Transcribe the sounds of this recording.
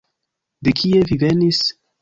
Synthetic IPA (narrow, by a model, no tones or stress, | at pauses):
d̪ekʰievivenis